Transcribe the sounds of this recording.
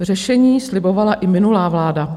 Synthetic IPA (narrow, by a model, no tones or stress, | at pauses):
r̝ɛʃɛɲiːslɪbo̞valaʔɪmɪnulaːvlaːda